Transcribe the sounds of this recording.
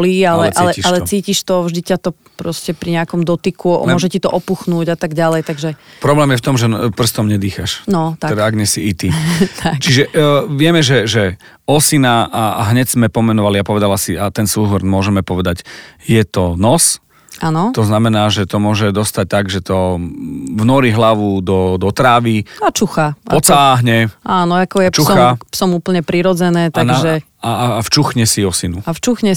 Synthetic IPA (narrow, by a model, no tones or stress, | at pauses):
lialɛʔʔalɛialɛt͡siːciʃt̪ɔvʒd̪icat̪ɔ | pɾɔscɛpɾiɲɛakɔmd̪ɔt̪ikuɔ̰mɔʒɛcit̪ɔʔɔpuxnuːɟat̪aɡɟalɛjt̪aɡʒɛpɾɔblɛːmjɛft̪ɔmʒɛpr̩st̪ɔmɲɛd̪iːxaʃnɔt̪aɛd̪aaɡɲɛsiit̪it̪ʰakt͡ʃiʒɛʋɪɛmɛʒɛʒɛ | ɔsinaʔaɦɲɛɟz̥mɛpɔmɛnɔʋaliapɔʋɛd̪alasiat̪ɛnsuːɦɔɾmʊɔʒɛmɛpɔʋɛd̪aɟjɛt̪ɔnɔs | anɔt̪ɔznamɛnaːʒɛt̪ɔmʊɔʒɛd̪ɔst̪ac̚t̪aɡʒɛt̪ɔ | vnɔɾiɦlaʋud̪ɔd̪ɔt̪ɾaːʋiat͡ʃuxaɔt͡saːɦɲɛʔaːnɔakɔjɛt͡ʃuxapsɔmuːpl̩ɲɛpɾiɾɔd͡zɛnɛːt̪anaʒɛ | aːft͡ʃuxɲɛsiɔsinuaft͡ʃuxɲɛ